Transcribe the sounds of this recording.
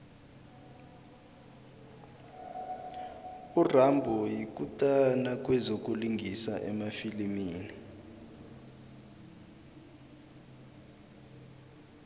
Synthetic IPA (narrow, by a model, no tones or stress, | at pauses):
urambʱɔjik̬ʼutʼanak̬ʼwɛzok̬ʼuliŋɡʱisa̰ʔɛ̰mafilimiːni